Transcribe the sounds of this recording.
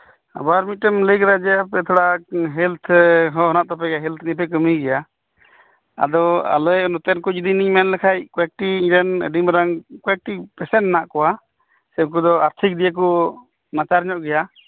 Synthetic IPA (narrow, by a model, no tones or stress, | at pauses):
a̰baɾmiʈɛmləjkɾad͡ʒɛapɛt̪ʰɔɽaɦɛlt̪ʰɦɔɦɔnaʔt̪ɔpɛɡaɦɛlt̪ʰnip̬ɛk̬əmiɡɛja | a̰d̪ɔa̰lɔjɔnɔt̪ɛnkud͡ʒid̪iniŋmɛnlɛkʰajkɔɛk̚ʈiiɾɛnə̰ɖimɾaŋkɔɛk̚ʈipɛsɛnːaʔkɔwa | sɛk̬ud̪ɔaɾt̪ʰik̚d̪ijək̬u | nat͡ʃaɾɲɔʔɡɛja